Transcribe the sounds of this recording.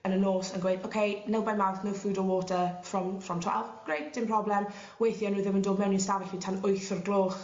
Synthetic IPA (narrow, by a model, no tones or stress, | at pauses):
ənənoːsənɡwejdowkʰejnɛlˠbajmawθnəwfuːdɔwɔːtʰəfrɔmfrɔmtʰwa̰lˠvɡ̥rejtd̥ɪmpʰr̥ɔblˠɛm | wejθjɔnuːðəməndoːdmɛwninstavɪɬitʰanʊjθɔrɡlˠoːχ